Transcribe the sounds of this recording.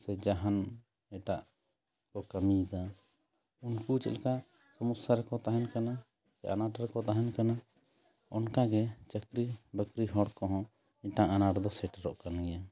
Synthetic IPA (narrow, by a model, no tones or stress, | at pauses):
sɛd͡ʒaɦan | ɛʈaʔ | kɔkəmid̪a | unkut͡ʃɛ̰ʔ̪lka | səmusaɾɛkɔt̪aɦɛnkana | sɛʔanaʈɾɛkɔt̪aɦɛnkana | ɔnkaɡɛt͡ʃəkɾibəkɾiɦɔɽkɔɦɔ̃ | iʈaanaʈd̪ɔsɛʈɾɔ̰ʔkanɡɛja